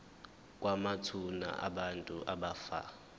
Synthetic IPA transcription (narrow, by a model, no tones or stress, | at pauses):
k̬ʼwamatʰuna̰ʔa̰ɓantʼuʔaɓafa̰